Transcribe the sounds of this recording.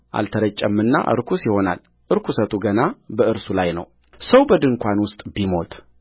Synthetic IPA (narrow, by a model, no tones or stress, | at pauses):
ʔa̰lt̪ʰəɾət͡ʃʼːəmːɨnːa̰ʔɨ̰ɾkʰusɪho̞na̰l | ʔɨɾkʰusət̪ʼuɡənabəɨɾsulajnə̰w | səwbəd̪ɨŋkʷʰanwʊst̪ʼbimo̞t̪ʼ